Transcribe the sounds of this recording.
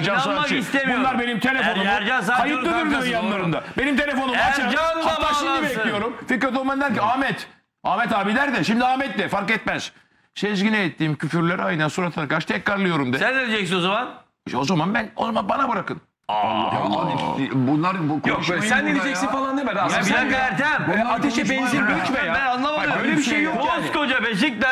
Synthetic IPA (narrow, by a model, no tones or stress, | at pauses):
d͡ʒaaaisebunlˠaɾbe̞nimt̪ʰe̞lʲefo̞numɾd͡ʒasaajɯɾnyɾmoɾjanlˠaɾɯnd̪abe̞nimt̪ʰe̞lʲefo̞numaaaabaʃiibɛclʲijo̞ɾumfikɾat̪omand̪æɾciaːmɛt̪ | aːmɛt̪aːbid̪æɾd̪ɛʃimd̪iaːmɛt̪lɛfaɾkɛt̪mɛz̥ | ʃɛzɡinɛːt̪ʰːiːmcʰyfyɾlʲeɾajɯnansuɾat̪ʰaɾkaɾʃt̪ʰɛcɾaɾlˠɯjo̞ɾumd̪ɛsɛnd̪ʲelʲid͡ʒɛcsinozaman | ozamanbæno̰zamanbanabɯɾakɯn | ad̪ibunlˠaɾbukjokʃssænd̪elʲid͡ʒɛksinfalˠand̪emajaiæɾd̪ɛbunaat̪ʰeʃɛʃbɛnziɾbilʲit͡ʃmɛabænalˠɯnavaøjlʲɛbiʃejːokskod͡ʒabɛzic̚d̪ɛ